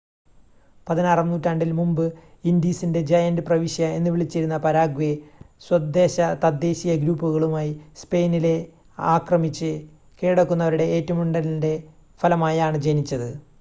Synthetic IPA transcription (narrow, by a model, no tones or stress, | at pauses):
pɐðinaːrɐmnuːtːaːɳɖilmumbɨ | ind̪iːsinde̞d͡ʑɐjɐndɨprɐʋiɕjɐe̞nːɨʋiɭit͡ɕːiɾunːɐpɐɾaːɡʋeswɐd̪ːe̞ːɕɐt̪ɐd̪ːe̞ːɕijɐɡɾuːpːuɣɐɭumaːjispe̞ːnile̞ | a̰ːkrɐmit͡ɕːɨ | keːɽɐkːunːɐʋɐɾuɽe̞eːtːɐmuɳɖɐlinde̞ | fɐlɐmaːjaːɳɨd͡ʑenit͡ɕːɐðɨ